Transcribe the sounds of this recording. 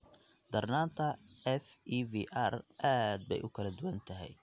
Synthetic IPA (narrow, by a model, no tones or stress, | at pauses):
d̪̥ɐrnaːnt̪ʰɐɛfiːviːʔarʔaːd̪̚bɛ̰jʔʊkʰɐlɐd̪ʊwɐnt̪ʰɐɦɛ̰j